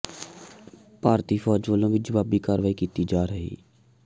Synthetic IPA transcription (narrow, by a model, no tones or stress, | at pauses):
paːɾt̪iːfʰɔːd͡ʒʋəːlõːʋɪd͡ʒəʋaːbiːkaːɾʋaːikiːt̪id͡ʒaːɾəɦḭː